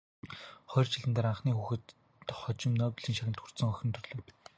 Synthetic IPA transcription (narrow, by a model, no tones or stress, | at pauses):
χɔːrt͡ɕʰɪ̆ɮɘ̆nt̪aːɾaɴχniːxuːxɘ̆t̪ | χɔt͡ɕɪ̆mnœːpʲĭɮiːŋʃaxʲɪ̆nt̪xur̥t̪sɞ̆ŋɔxʲɪ̆nt̪ʰɵrɮɵ̆w